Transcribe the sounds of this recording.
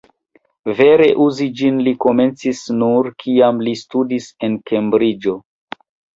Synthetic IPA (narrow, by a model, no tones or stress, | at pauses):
ve̞ɾe̞ʔuzid͡ʒinliko̞me̞nt͡sisnuɾkʰiamlistudise̞nke̞mbɾid͡ʒo̞